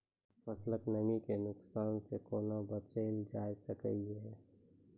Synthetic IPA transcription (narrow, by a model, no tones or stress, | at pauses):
pəsləknəmikenʊksaːnsekoːnabət͡ʃeɪld͡ʒaːjsəkə̰iɦɛː